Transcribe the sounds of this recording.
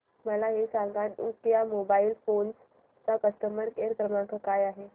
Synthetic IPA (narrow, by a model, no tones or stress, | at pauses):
məlaɦesãŋɡanukjamobailfons | t͡sapəst̪əmbəɾkeɾkɾəmãkəkajaɦe